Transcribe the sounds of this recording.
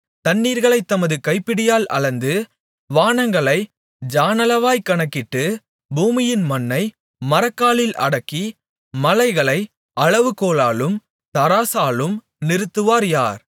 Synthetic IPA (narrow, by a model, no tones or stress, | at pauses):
t̪ɐnːiːɾɣɐɭɐɪt̪ːɐmɐðɯkɐɪpːɪɽɪjaːlʔɐ̰ɭɐnd̪ɯ | ʋaːɳɐŋɡɐɭɐɪ | d͡ʒaːnɐlɐʋaːjkɐɳɐkːɪʈːɯ | buːmɪjɪnmɐnːɐɪ | mɐɾɐkːaːɭɪlʔɐ̰ɽɐkːi | mɐlɐɪɣɐɭɐɪ | ʔɐɻɐʋɯkoːlaːlɯm | t̪ɐɾaːsaːlɯm | nɪɾɯt̪ːɯʋaːɾjaːɾ